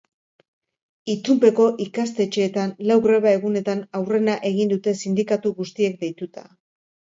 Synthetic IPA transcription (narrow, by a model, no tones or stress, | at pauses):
it͡sumpe̞ko̞ʔikast̪e̞t͡ʃe̞ːt̪anlawɣɾe̞βae̞ɣune̞t̪anawre̞naʔe̞ɣind̪ut̪e̞sind̪ikat̪uɣust̪ie̞kd̪e̞jt̪ut̪a̰